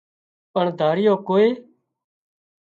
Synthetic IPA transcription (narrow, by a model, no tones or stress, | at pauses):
əɳd̪ʱaːɾɪjoːkoːeː